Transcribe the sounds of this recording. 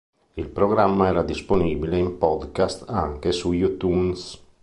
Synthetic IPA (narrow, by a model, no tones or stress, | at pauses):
ilpɾoɡɾamːaɛːɾad̪isponiːbileimpɔd̪kast̪aŋkesujut̪uns